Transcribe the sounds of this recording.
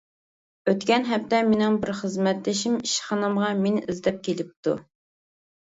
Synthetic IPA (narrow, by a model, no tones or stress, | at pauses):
øt̪kʲɛnɦɛpt̪ɛmenɪŋbɪɾχəzmɛt̪ːɪʃimiʃχɑnɨmʁɑmenɪʔizd̪ɛp̚kʲʰelɪp̚t̪ʰṵ